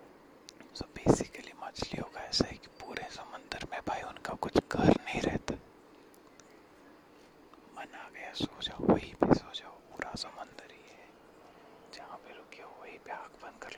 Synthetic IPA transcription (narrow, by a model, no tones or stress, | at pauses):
sɐbbeːsɪkəlimat͡ʃlḭɦoːɡaɛːsaɦɛki̥puːɾesɐmə̃nd̪əɾmẽbʱaːiʊnkakʊt͡ʃʰɡʱɐɾnɐɦĩɾɛ̰ɦt̪a | mɐnaːɡɐjasoːt͡ʃaːoʋɐɦibʱisoːt͡ʃaːopuːɾʔasɐmə̃nd̪əɾiɦɛ | d͡ʒɐɦãpeɾokiaʋɐɦibiaːkbə̃nkɐɾl